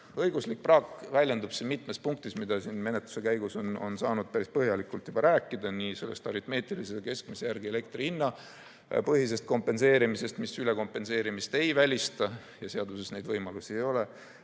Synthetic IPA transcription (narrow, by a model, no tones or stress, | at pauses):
ɤjɡuslik̚prɑːkvælʲje̞nd̪ub̥sinmit̪ˑmespuŋk̚t̪ismid̪̥ɑsinme̞ne̞t̪lu̥se̞kæjɡ̥usono̰nsɑːnud̪̥̚pæɾispɤɦjɑlikːˑult̪jub̥ɑɾæːkˑːid̪̥ɑnise̞lːest̪ɑɾit̪me̞ːt̪iliseke̞sk̚misejærɡ̥ielek̚t̪riinːɑ | pɤɦis̬e̞st̪̚ko̞mpːˑe̞nse̞ːɾimise̞st̪misyle̞ko̞mpːe̞nse̞ːɾimist̪e̞jvælʲist̪ɑ | jɑse̞ɑd̪use̞sne̞jd̪vɤjmɑlusiejo̞le